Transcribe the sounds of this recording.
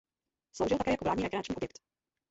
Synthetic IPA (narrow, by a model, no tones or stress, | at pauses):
slowʒɪlt̪akɛːjakovlaːdɲiɾɛɡɾɪnat͡ʃɲiːobjɛkt̪